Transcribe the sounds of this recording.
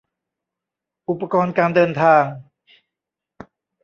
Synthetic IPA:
ʔu˨˩pːa˧kɔː˧nkaː˧ndɤː˧nt̪ʰaː˧ŋ

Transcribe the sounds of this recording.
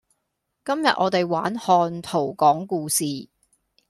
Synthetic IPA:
kɐ˥mjɐ̰˨ʔ̚ɔ̰ː˨˧t̪e˨jwa̰ː˨˥nhɔː˧nt̪ʰo˨˩wkɔː˨˥ŋkuː˧siː˨

